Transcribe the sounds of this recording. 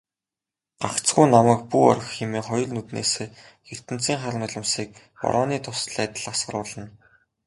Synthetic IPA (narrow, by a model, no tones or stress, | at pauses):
ɢ̥aχt͡sɡuːnamæ̆k̚puɔ̰r̆xxemeːχɔjɞ̆ɮnɵt̪nḛːseː | xer̥t̪ɘ̆n̥t͡siːŋχaɾə̆ŋɔɮə̆msiːk̚ | pɔ̰ɾʔɔːniːt̪ʰʊ̥sɮæːt̪ə̆ɮasɢə̆rʊːɮə̆n